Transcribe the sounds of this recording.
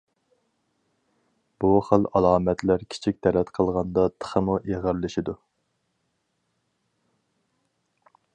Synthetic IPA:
b̥uχəlɑlˠɑːmɛt̪læɾkʲʰi̥t͡ʃʰik̚ʲt̪ʰɛlɛt̪qʰəlˠʁɑnd̪ɑt̪ʰə̥χəmuʔeʁəɾlɪʃid̪u

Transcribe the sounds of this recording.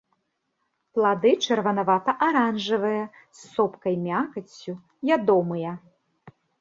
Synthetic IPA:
plˠad̪ɨt͡ʂɐrvɐnavat̪ɐʔaɾanʐɨvɨjɐ | sːɔpkɐjmʲakɐt͡sʲːu | jʲad̪ɔmɨjɐ

